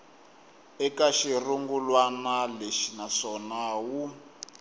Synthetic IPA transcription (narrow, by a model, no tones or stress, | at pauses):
ɛkaʃiruŋɡulwanaleʃinasɔnaːwu